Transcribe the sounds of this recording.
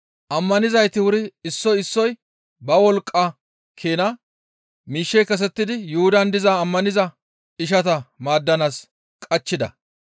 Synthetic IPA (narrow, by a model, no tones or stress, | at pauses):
ʔɐmːɐnɪzɐjt̪ɪwʊɾɪɪsːɔjɪsːɔj | bɐwɔlkʼːɐ | kʰeːnɐ | miːʃːɛjkɐs̬ɛt̪ːɪd̪ɪjʊhʊd̪ɐnd̪ɪzaːmːɐnɪzɐ | ɪʃ̬ɐt̪ɐmaːd̪ːɐnaːs | kʼɐt͡ʃːɪd̪ɐ̰